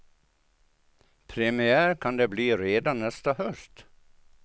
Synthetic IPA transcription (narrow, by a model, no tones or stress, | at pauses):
pʰɾɛmɪæːɾkʰɑnd̪eːbliːɾeːd̪ɑnɛst̪ɑhœst̪